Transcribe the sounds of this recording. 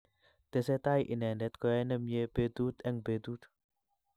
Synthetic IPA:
d̪̥eset̪aiʔinɛndɛt̪̚koɛnəmjeb̥ed̪ut̪ɛŋbed̪ut̪̚

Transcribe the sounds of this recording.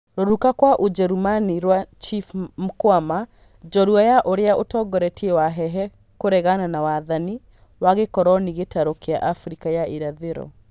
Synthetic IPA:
ɾoɾukakwaʔod͡ʒɛɾumaniɾwat͡ʃifm̩kwama | d͡ʒɔɾuajaʔoɾeaotɔɡɔɾɛtiewaɦɛɦɛ | koɾɛɣananawaðani | waɣekɔɾɔniɣetaɾokea̰ʔafɾikajaiɾaðeɾɔ̰

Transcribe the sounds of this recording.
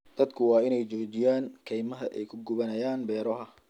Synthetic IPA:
d̪̥ɐd̪kʰʊwɑːɪnɛjt͡ʃɔːt͡ʃɪjaːŋkʰɛjmɐɦɐ̰ʔɛ̰jkʰʊɡʊβɐnɐjaːnbɛːɾɔɦɐ

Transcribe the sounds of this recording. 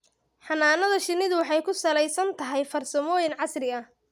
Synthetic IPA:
ħɑnaːnɐðɐʃɪnːɪðʊwɑħɑjkʰʊsɐlɛjsɐnt̪ʰɐɦɛjfɐrsɐmɔːjɪnʕɑsrɪɐh

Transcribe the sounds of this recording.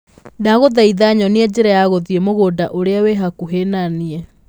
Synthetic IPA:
naɣoðaiðaɲɔneɛd͡ʑeɾajaɣoðiemoɣodaʔoɾeaweɦakuɦenaniɛ

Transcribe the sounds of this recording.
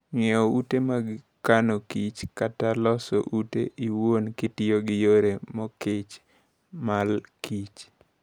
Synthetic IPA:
ŋɛɔutemaɡɪ | kanokit͡ʃkatalɔsɔ̰ʔutḛʔiwonkɪtɪoɡɪjoɾemɔkɪt͡ʃ | malkit͡ʃ

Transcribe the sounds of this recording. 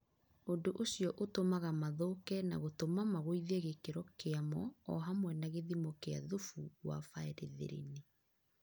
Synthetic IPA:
ondoʔoɕiɔʔotomaɣamaðokɛna̰ɣotomamaɣoiðeɣekeɾɔkeamɔɔɦamwɛnaɣeðimokea̰ðofuɣwa̰faɛɾḛðḛɾḛne

